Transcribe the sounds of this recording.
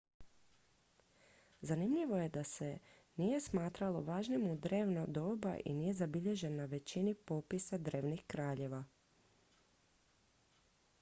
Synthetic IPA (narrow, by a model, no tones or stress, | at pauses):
zanimʎiʋo̞je̞d̪ase̞ | nije̞smaːt̪ɾalˠo̞ʋaːʒnimud̪ɾe̞ːʋnod̪o̞ːba̰ʔḭniːje̞zabiʎe̞ʒe̞nːaʋe̞t͡ɕinipo̞pisad̪ɾe̞ːʋnixkɾaːʎe̞ʋa